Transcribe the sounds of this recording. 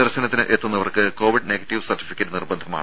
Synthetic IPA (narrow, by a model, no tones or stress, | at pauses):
ɐrɕɐnɐt̪ːinɨʔet̪ːunːɐʋɐrkɨko̞ːʋiɖne̞ːɡɐʈːiʋsɐrʈːi̥fikʲːɐʈːɨnirbɐnd̪ʱɐma̰ːɳ